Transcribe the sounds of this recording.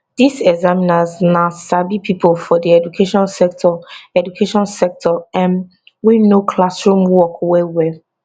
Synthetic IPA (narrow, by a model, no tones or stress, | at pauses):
d̥isɛɡzaminaznasabipʰipʰolfɔdiɛdukʰeʃɔ̃nsɛk̚tʰɔɛdukʰeʃɔ̃nsɛk̚tʰɔɛ̃n | winokʰlasɹũmwɔkwɛwɛ